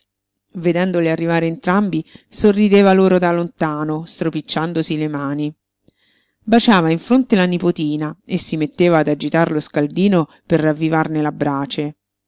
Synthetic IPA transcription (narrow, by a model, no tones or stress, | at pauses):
ved̪ɛnd̪olearːivaːɾeːnt̪ɾambisorːid̪eːvaloːɾod̪alont̪aːnost̪ɾopit͡ʃːand̪osilemaːni | bat͡ʃaːvaiɱfɾont̪elanipot̪iːnaesːimet̪ːeːvaːd̪ad͡ʒit̪aɾloskald̪iːno | perːavːivarnelabːɾaːt͡ʃe